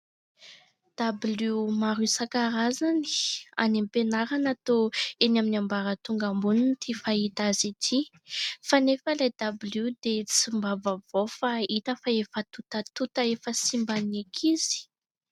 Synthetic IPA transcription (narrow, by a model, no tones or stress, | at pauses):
d̪̥ablumaɾusakaɾazani̥a̰nimpenaɾanat̪oenaminambaɾət̪uŋɡambununt̪ʰifait̪azit̪ʰi | fanefəlajd̪abilud̪et͡simbavavofait̪əfaefət̪ut̪ət̪ut̪əefəsimbanekʰiz̥i̥